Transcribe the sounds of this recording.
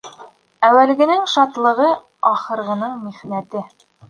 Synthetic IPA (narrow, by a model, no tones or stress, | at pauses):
æwælɡɘ̆nɘŋʃɑt̪lˠɤ̆ʁɤ | ɑχɤ̆ɾʁɤ̆nɤɴmiʁnæt̪ɘ